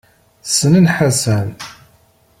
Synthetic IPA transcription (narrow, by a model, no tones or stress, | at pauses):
sənənħasæn